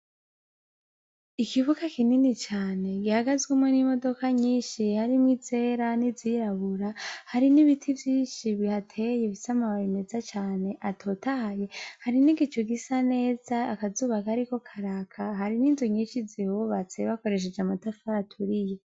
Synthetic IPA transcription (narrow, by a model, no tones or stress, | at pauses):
ikiβukakininit͡ʃaːne̞ɡihaɡazɡwumwenimo̞do̞kaɲiːnʃihaɾimŋize̞ːɾaniziɾaβuɾahaɾiniβitʰivjiːnʃiβihatʰe̞je̞βisamaβaime̞zat͡ʃaːne̞ʔatʰo̞tahaje̞haɾiniɡit͡ʃoɡisane̞ːz̥aːkazuːβakaaɾiko̞kʰaɾakʰaɦaɾininzuɲiːnʃizihuβat͡se̞βako̞ɾe̞ʃ̬e̞d͡ʒamatafaːtʰuɾije̞